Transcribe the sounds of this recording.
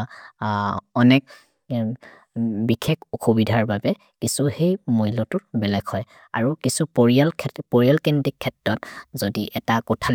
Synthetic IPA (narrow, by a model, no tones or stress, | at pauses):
ɔnɛk̚ | bikʰekʰuxʰobidʱaɹbabɛ | kisuhejmoɦilɔtʊɹbɛlɛɡhɔj | a̰ɹukisupoɹialkʰpoɹijalkendikʰːɛtɹɔtzodiʔɛtakɔtʰal